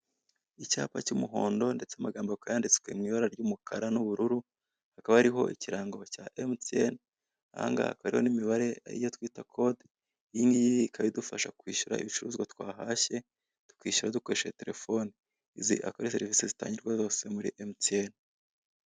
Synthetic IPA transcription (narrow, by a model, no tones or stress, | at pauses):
ica̰ːpacumuɦo̞̰ːndo̞nde̞t͡seamaɡaːmbokajaːndit͡swe̞mŋiːβaɾaɾɟuːmukʰaɾanuβuɾuɾu | hakaβahaɾiɦo̞̰ʔiciɾaːŋɡocaʔemtiḛn | aa̰ŋɡa̰kaɾḭho̞̰nimiβaɾe̞a̰ɾḭjo̞twiːtakʰo̞d | jiŋɡijijikʰaβidufaʃakwiːʃuɾa̰ḭβit͡ʃuɾuːzɡwatwaːɦaʃe̞ | tu̥kiːʃuɾaduko̞ɾeʃete̞ɾe̞fo̞ni | izḭʔa̰koɾiseɾivisizita̰ːɲɟiɾɡwazo̞ːse̞muɾḭʔemten